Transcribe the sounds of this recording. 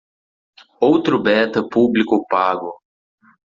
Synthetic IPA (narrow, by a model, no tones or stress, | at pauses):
owt̪ɾʊbɛt̪ɐpublikʊpaɡʊ